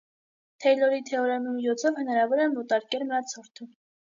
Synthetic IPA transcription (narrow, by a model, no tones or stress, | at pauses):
t̪ʰɛjlɔɾit̪ʰɛɔɾɛmimit͡ʃʰɔt͡sʰɔvhənɑɾɑvɔɾɛmɔt̪ɑɾkɛlməɾɑt͡sʰɔɾt̪ʰu